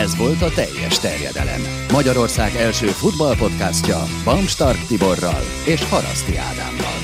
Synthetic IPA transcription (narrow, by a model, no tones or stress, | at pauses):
ɛzʋo̞lt̪ɒt̪ɛjːɛ̰ʃt̪ɛrjɛ̰d̪ɛ̰lɛ̰mː | ɒɟɒɾo̞rsaːɡɛlʃøːfud̪bɒlpo̞t̪kascɒ̰ | bɒmʃt̪ɒrkt̪ibo̞rːɒ̰l | eːʃhɒɾɒ̰st̪ia̰ːd̪a̰ːmbɒ̰l